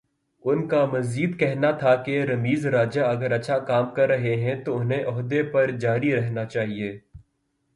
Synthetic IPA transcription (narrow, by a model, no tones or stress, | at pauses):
ʊnkamɐziːd̪kɛɦnat̪ʰakeɾɐmiːzɾaːd͡ʒaɐɡəɾɐtːʃʰakaːmkɐɾːɐɦeɦɛ̃t̪oʊnɦẽʔɔɦd̪epɐɾd͡ʒaːɾiɾɛɦnat͡ʃaːɦieː